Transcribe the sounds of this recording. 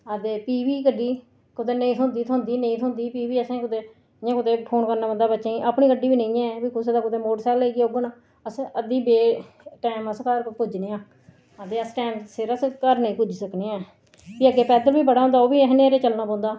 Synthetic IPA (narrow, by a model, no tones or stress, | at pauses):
əd̪eːpiːʋiːkəɖːiː | kʊd̪eːnəĩːt̪ʰond̪iːt̪ʰõːnd̪iːnə̃ĩːt̪ʰʊ̃nd̪iːpiːbiːəsẽːkʊd̪eː | jãːkʊt̪eːpʰoːnkəɾnaːbənd̪aːbətːʃeĩːʔaːpɳiːkəɖiːbiːnə̃ĩːɛ̃ːbiːkʊseːd̪aːkʊt̪eːmoːʈsɛːleiɡoɡən | əsəd̪iːbeː | ʈɛːməskəɾpʊd͡ʒneːãː | əd̪eːəsʈːmsɪɾəskəɾnĩːkʊd͡ʒsəkneːɛː | biːəɡeːpɛːd̪əlbiːbəɽaːõːnd̪aːoːbiːɦneːɾeːt͡ʃəlnaːpõːnd̪aː